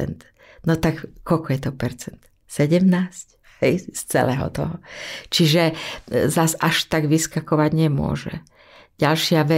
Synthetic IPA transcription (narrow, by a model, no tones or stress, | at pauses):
ɛ̰nt̪ | nɔt̪akkɔlkɔjɛt̪ɔpɛɾt͡sɛnt̪ | sɛɟɛmnaːsc | hɛjst͡sɛ̰lɛːɦɔ̰t̪ɔ̰ɦɔt͡ʃiʒɛzasaʃt̪aɡʋiskakɔʋaɟɲɛmʊɔ̰ʒɛ̰ | ɟalʃɪaʋɛ